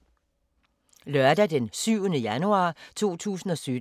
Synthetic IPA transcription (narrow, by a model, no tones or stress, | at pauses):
lœɐd̥æd̥ensyʊ̰nəjænuɑ̰̈ːt͡sʰo̝̰ːt͡sʰṵːsn̩ɒ̽sy